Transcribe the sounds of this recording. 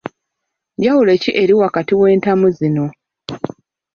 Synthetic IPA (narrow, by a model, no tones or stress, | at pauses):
jawule̞ciʔe̞ɾiwakatiwe̞ːntamuzino̞